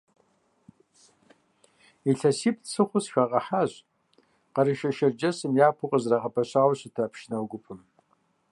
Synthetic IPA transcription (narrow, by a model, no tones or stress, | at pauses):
iɬɐsip̚ʰt͡sʰɨχʷʊsʃᶣaqʼɐħaɕʷ | qɑɾiʃɐʃɐrd͡ʒɐsɨmjaːpʰʊqʼəzraqʼɐpʰɐɕʷaːwɕɪtʰapʰʃnawɡʷʊpʰɨm